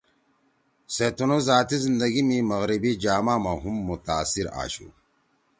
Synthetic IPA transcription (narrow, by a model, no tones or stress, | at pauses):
set̪unozaːt̪izind̪ɐɡimimɐɣɾibid͡ʑaːmaːmaɦumːut̪aːsiɾa̰ːɕṵ